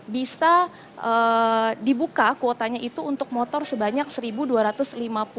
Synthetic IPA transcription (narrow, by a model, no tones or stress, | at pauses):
bisa | ʔədibukakot̪aɲaʔit̪uːnt̪ʊk̚mɔt̪ɔrsəbaɲak̚səɾibuduaɾat̪ʊslimapu